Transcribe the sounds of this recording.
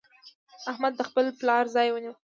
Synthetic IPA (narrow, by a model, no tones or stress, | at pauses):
ahmad̪̚ːəxpəlplɑɾzɑjwəniw